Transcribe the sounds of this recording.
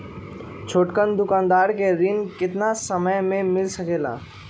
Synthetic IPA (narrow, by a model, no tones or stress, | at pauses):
t͡ʃʰoːʈkənd̪ʊkãːnd̪aːɾkeɾɪnkɪt̪nasəməjmẽmɪlsəkeːla̰ː